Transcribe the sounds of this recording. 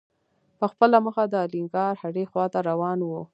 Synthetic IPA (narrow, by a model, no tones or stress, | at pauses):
pəxpəlaməxad̪əɑliŋɡɑɾhaɽexwɑt̪aɾawɑnwu